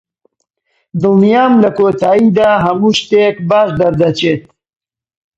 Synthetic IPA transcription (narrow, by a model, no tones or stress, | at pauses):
d̪ɨlnijaːmlɐkoːt̪aːid̪aːɦɐmuʃt̪ekbaːʃd̪ɐɾd̪ɐt͡ʃet̪̚